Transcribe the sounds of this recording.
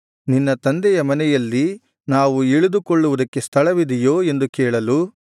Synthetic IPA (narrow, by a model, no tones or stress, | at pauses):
ninːɐt̪ɐnd̪ɛjɐmɐnɛjɐlːi | naːʋueɭud̪ukoɭːuʋud̪ɐkːe̞st̪ʰɐɭɐʋid̪ɛjoːe̞nd̪ukɛːɭɐlu